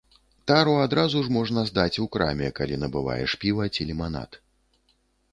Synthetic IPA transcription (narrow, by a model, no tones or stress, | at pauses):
t̪aɾuad̪ɾazuʐmɔʐnɐzd̪at͡sʲukɾa̰mʲɛkalʲin̪ɐbɨva̰jɛ̰ʂpʲivɐt͡sʲilʲimana̰t̪